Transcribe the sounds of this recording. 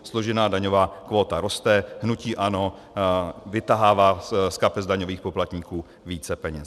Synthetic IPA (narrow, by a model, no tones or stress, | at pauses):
slo̞ʒɪnaːdaɲo̞vaːkvo̞ːt̪aɾo̞st̪ɛhnuciːʔano̞ | vɪt̪aɦaːvaːskapɛzdaɲo̞viːxpoplat̪ɲiːkuː | viːt͡sɛpɛɲɛs